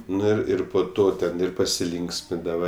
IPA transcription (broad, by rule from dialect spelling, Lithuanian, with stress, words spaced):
ˈnʊ ɪr ˈɪr poː ˈtoː tʲɛn ˈɪr pɐsʲɪˈlʲiːŋksʲmʲɪndɐʋɐ